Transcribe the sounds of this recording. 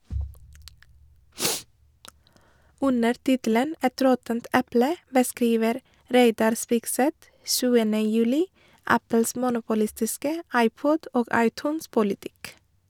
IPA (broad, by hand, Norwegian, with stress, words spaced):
ˈʉnəɾ ˈtɪtl̩ən ˈɛt ˈɾɔtənt ˈɛplə bəˈskɾiːʋəɾ ˈɾeɪdɑɾ ˈspɪɡˌsɛt ˈsʉːənə ˈjʉːlɪ ˈæpəls ˈmuːnʊpʊˌlɪstɪskə ˈɑɪˌpɔd ˈoːɡ ˈɑɪˌtʉːnˌspʊlɪˌtɪk